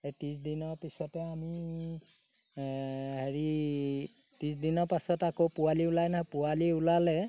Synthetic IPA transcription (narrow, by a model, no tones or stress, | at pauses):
etisdinɔɹpisɔtɛami | heɹi | tisdinɔɹpasɔtakopʊwaliulajnaɦɔpʊaliulalɛ